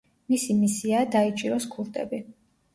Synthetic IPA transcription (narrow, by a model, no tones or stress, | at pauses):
misimisiad̪ait͡ʃʼiɾɔskʰuɾt̪ʼɛ̰bi